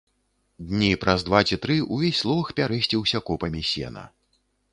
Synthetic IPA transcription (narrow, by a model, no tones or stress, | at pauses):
d̪ʲnʲipɾʔɐzd̪vat͡sʲit̪ɾɨʔuvʲesʲslˠɔvɐxpʲaɾɛsʲt͡sʲiwsʲɐkɔpɐmʲisʲɛ̰nɐ̰